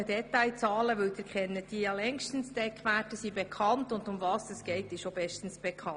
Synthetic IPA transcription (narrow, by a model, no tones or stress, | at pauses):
ədɛtaɪt͡sɑːləʋʏlt̪əɾkχɛnːəd̥ijɑlɛŋʃtənsd̥ɛkʰːʋætəsibekʰɑntʊndʊmvɑːsɛsɡ̥ɛɪtɪʃobɛʃtən̩sb̥ɛkʰɑ